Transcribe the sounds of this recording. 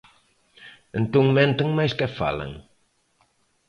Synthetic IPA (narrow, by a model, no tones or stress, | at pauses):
ẽnt̪oŋmɛ̃nt̪ɐŋmajskɛfa̰lɐ̰ŋ